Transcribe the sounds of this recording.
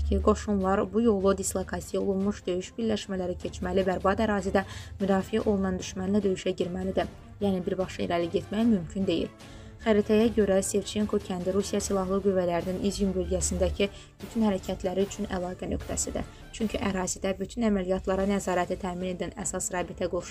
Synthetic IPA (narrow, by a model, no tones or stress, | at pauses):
iɡo̞ʃumlˠɑɾbujo̞lˠud̪islˠokʰɑt̪ijo̞lˠunmuʃd̪ø̞jyʃbiɾlæʃmælæɾicʰe̞t͡ʃmælibæɾbɑd̪æɾɑːzid̪æmyd̪ɑːfijæʔo̞lˠunɑnd̪yʃmænlæd̪ø̞jyʃæɟiɾmælid̪æ | jæːnibiɾbɑχʃɑḛlæliɟe̞t̪mæjmymcʰynd̪e̞jḭl | xæɾit̪ʰæjæɟø̞ɾæse̞vt͡ʃʰe̞ŋkʰo̞cʰænd̪iɾusijɑsilˠɑɦlˠɯɡyvːælæɾininʔizjymbølɟæsind̪æcʰi | b̥yt̪ʰynhæɾæcʰæt̪ʰlæɾiyt͡ʃʰynælˠɑːɡænø̞kt̪ʰæ̰sid̪æ̰ | t͡ʃʰyɲcʰyʔæɾɑːzid̪æbyt̪ʰynæmælijɑt̪ʰlˠɑɾɑnæzɑːɾæt̪ʰit̪ʰæːmine̞d̪ænæsɑsɾɑːbit̪ʰæɡo̞ʃu